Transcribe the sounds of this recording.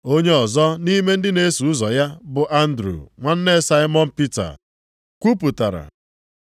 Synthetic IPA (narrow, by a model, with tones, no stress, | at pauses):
o˦ɲe˦ɔ˨zɔ˦ni˦me˦n̩˦dɪ˦ne˦su˨ʊ˦zɔ˨ja˦bʊ˨ʔa˦n̩˦dɾṵ˨ŋʷa˦n̩˦ne˦sa˦ɪ˦mɔ˦m̩˦pi˦ta̰˨ | kʷu˦pu˨ta̰˨ɾa̰˨